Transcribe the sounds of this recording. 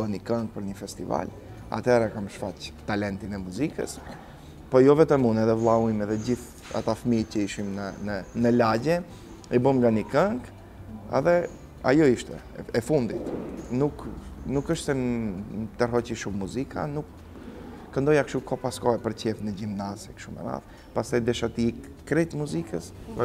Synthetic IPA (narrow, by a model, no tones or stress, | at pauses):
ənikaŋk̚pəɾɲəfɛst̪iva̰l | a̰t̪ɛɾakamʃfact̪alɛnt̪inɛmuzikə̰s | pɔjɔvɛt̪ɛmunɛðɛvlˠaimɛðɛɟiθ | a̰t̪afmicəiʃimnənənəlaɟɛ | ibəmŋɡanikaŋɡ | a̰ðɛ | a̰jɔiʃt̪ɛ̰ | ɛfund̪it̪nuknukəʃt̪ɛ | t̪ərɦɔciʃumːuzikʰa̰nukː | ənd̪ɔjakʃukɔpaskɔɛpəɾcɛfnəɟivnazɛkʃumɛ̰ma̰θ | past̪ajd̪ɛʃat̪i | kɾɛt̪muzikəs